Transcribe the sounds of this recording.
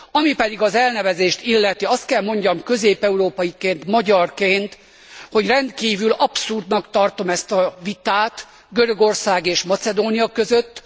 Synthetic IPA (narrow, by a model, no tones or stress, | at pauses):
ɒmipɛd̪iɡɒzɛlnɛvɛzeːʃt̪ilːɛt̪iɒst̪kɛlmo̞ɲɟɒmkø̞zeːpɛuɾoːpɒjikeːnt̪mɒɟɒrkeːnt̪ | ho̞ɟrɛnd̪kiːvylɒpsurd̪nɒkt̪ɒrt̪o̞mɛst̪ɒvit̪aːt̪ | ɡøɾø̞ɡo̞rsaːɡeːʃmɒt̪sɛd̪oːnijɒkø̞zøt̪ː